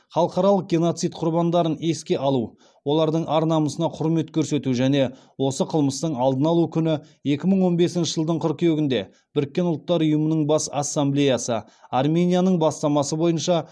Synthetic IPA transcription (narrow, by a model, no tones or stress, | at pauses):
χɑlˠəqɑɾɑlˠəq̚ɡʲe̞no̞t̪sijt̪̚qʰʊɾbɑnd̪ɑɾəne̞skʲe̞ʔɑlˠu | wo̞lˠɑɾd̪əɴɑɾnɑməsənɑqʰʊɾme̞t̪kʲʰɵɾse̞t̪uʒæne̞ | wo̞səqʰəlˠməst̪əɴɑlˠd̪ənɑlˠukʲʰʏnɪ | e̞kʲɪməɴwo̞nbe̞sɪnʃɪʒəlˠd̪əɴqʰʊɾkʲeɡʲɪnd̪e̞ | b̥ɪɾɪkʲːe̞nʊlˠt̪ːɑɾʊjəmənəɴbɑsasːamblʲejasə | armʲe̞nʲijanəɴbɑst̪ɑmɑsəbo̞jənʃɑ